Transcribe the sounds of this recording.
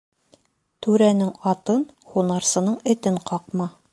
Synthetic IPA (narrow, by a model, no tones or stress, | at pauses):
t̪ʉɾænɘŋɑt̪ɤn | χunɑɾsɤ̆nɤɴɘ̆t̪ɘɴqɑq̚mɑ